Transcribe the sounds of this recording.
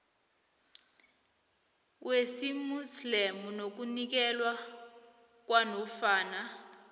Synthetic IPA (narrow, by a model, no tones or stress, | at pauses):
wesimuslemunok̬unik̬ɛlwa | k̬ʼwanɔfaːna